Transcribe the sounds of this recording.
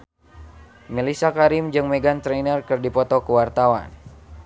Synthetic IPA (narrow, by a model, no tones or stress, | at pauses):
nəlisakaɾimd͡ʒɨŋmeɡant̪ɾenərkɨrdipɔt̪ɔkəwart̪awa̰n